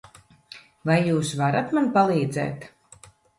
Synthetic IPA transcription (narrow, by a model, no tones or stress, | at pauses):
vajːuːsvaɾat̪manpalˠiːd̪zɛ̰ːt̪